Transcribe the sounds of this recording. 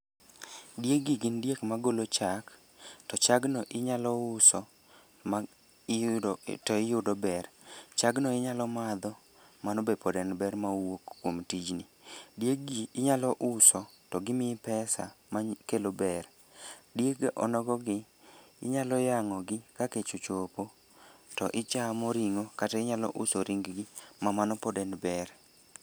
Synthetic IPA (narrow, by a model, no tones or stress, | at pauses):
djeɡiɡɪndjekmaɡolot͡ʃak | tɔt͡ʃaɡnɔʔɪɲalɔʊsɔ | ma | tɔɪjʊdɔbɛrt͡ʃaɡnɔɪɲalɔmad̪ɔ | manɔbepʰɔdɛnbɛrmawokːwomtid͡ʒnɪdjeɡiːɲalɔʔʊsɔtɔɡɪmɪpɛsa̰makelobɛr | djeɡʔɔ̰nɔɡɔɡɪ | ɪɲalɔjaŋɔɡɪkaket͡ʃot͡ʃopo | tɔʔɪt͡ʃamoɾiŋokataɪɲalɔ̰ʔʊsɔɾiŋɡɡɪmamanɔpɔdɛndbɛr